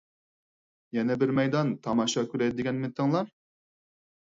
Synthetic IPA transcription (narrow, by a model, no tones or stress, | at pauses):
jɛnɛbɪɾmɛjd̪ɑnt̪ʰɑmɑʃɑkʲyɾɛjd̪ɪd̪ɪɡʲɛnmɪnt̪ʰɪŋlˠɑɾ